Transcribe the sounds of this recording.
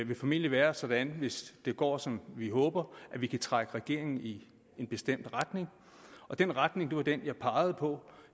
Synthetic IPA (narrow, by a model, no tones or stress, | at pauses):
ʋe̝fæmil̰jəʋæːɐsɒ̽d̥ænʋe̝sd̥e̝ɡ̥ɒ̰ːsɒ̽mʋiɦɔ̽ːb̥ɐʔæʋikʰæt͡sʰʁaɡ̥əʁɛɡ̥e̝̰ɐ̰e̝ŋn̩i | enb̥e̝sd̥em̰d̥ʁad̥ne̝ŋ | ɒ̽d̥enʁad̥ne̝ŋd̥e̝ʋɑ̈d̥enjɑ̈ɪpʰɑ̈ːɪð̞̩ˠpʰɒ̽